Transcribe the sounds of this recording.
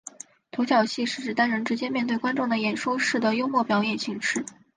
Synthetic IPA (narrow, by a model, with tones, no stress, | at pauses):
t̪ʰo˧˥t͡ɕjɑ˨˩ʊɕi˥˧ʂɻ̩˥˩ʈ͡ʂɻ̩˨˩t̪a˥nɻə˧˥nʈ͡ʂɻ̩˧˥t͡ɕjɛ˥mjɛ˥˧t̪we˥˩ɪwa˥nʈ͡ʂʊ˥˩ŋd̪ə˩jɛ˨˩nʂu˥ʂɻ̩˥˩d̪ə˩jo˥ʊmwɔ˥˩pjɑ˧˥ʊjɛ˨˩nɕi˥˩ŋʈ͡ʂɻ̩˥˩